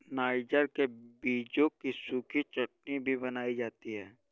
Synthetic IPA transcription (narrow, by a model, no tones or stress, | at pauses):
naːɪd͡ʒəɾkebiːd͡ʒõkisukit͡ʃʊʈnibʱibɐnaːid͡ʒaːt̪iɦɛː